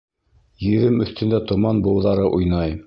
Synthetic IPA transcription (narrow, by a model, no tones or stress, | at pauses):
jɘ̆ðɘmɵ̆θt̪ɵ̆nd̪æt̪ŏmɑnbŭwðɑɾɤʔujnɑj